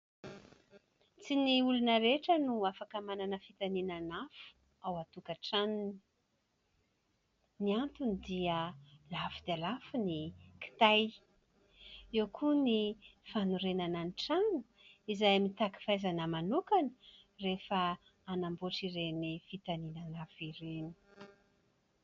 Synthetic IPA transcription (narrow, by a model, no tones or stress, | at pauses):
t͡siniulunəɾeʈ͡ʂənuafakamananəfit̪aninanafu̥ | awat̪ukaʈ͡ʂanini | niant̪unid̪iəlafud̪alafuniki̥t̪aj | ewkʰunifanuɾenananiʈ͡ʂanu̥ | izajmit̪aki̥fajzanəmanukanə̥ | refə | anamboʈ͡ʂiɾenifit̪aninanafiɾeni̥